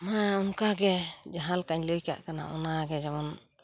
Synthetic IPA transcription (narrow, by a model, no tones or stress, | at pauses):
mãunkaɡɛd͡ʒaɦalkaɲləjka̰ʔkana̰ʔɔnaɡɛd͡ʒaman